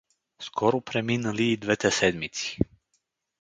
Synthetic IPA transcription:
skʰɔɾɔpɾɛminaliːd̪vɛt̪ɛsɛd̪mit̪si̥

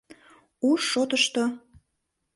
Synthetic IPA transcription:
uʃot̪əʃt̪o

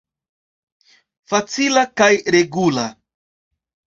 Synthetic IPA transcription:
fat͡silakajɾeɡula

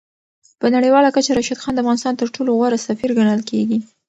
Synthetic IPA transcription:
pənaɽəjwɑlakat͡ʃaɾaʃad̪xɑnd̪əafɣɑnɪst̪ɑnt̪əɾʈoloɣwaɾasafiɾɡaɳəlkeɡi

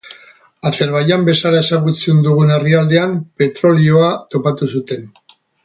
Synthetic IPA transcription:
ase̞ɾβajambe̞salae̞saɣut͡send̪uɣ̞une̞riald̪e̞ampe̞t̪ɾo̞lio̞at̪o̞pat̪usut̪e̞n

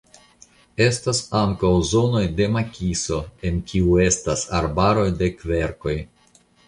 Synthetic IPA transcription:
e̞stasaŋkawzo̞no̞jde̞makʲiso̞e̞nkʲiue̞stasaɾbaɾo̞jde̞kve̞ɾko̞j

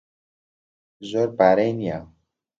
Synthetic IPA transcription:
zoɾpaɾejnija

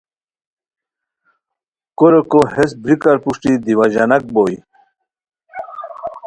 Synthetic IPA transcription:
koɾekohesbʱɾikaɾpuʂʈid̪iwaʑanak̚boːj

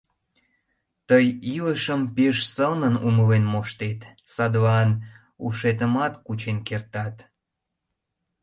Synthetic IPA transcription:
t̪əjiləʃəmpeʃsənənuməlenmoʃt̪et̪sɑd̪βɑn | ṵʃet̪̬əmɑt̪kut͡ɕenkert̪ɑt̪

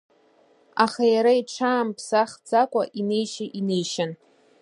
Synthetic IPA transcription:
aχajaɾaiʈ͡ʂʰaːmpʰsaχd͡zakʷʼaʔinejʃɪʔinejʃan

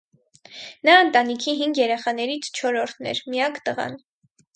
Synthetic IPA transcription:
nɑənt̪ɑnikʰiɦiŋɡjɛɾɛχɑnɛɾit͡sʰt͡ʃʰɔɾɔɾt̪ʰnɛ̰ɾmijɑkt̪əʁɑ̰n

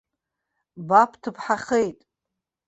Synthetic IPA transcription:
bapʰtʰɨpʰħaχejtʼ

